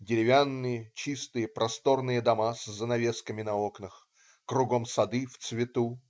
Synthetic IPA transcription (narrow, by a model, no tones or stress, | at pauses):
dʲɪɾʲɪvʲanːɨjət͡ɕist̪ɨjəpɾʔɐst̪o̞rnɨjəd̪ɐmasʲzːənɐvʲe̞skəmʲɪnɐoknəx | kɾʊɡo̞msɐd̪ɨft̪svʲɪt̪u